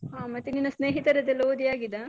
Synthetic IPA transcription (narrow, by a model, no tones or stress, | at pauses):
ɦaːmɐt̪ːeninːɐsneːɦit̪ɐɾɐd̪elːoːd̪ijaːɡid̪a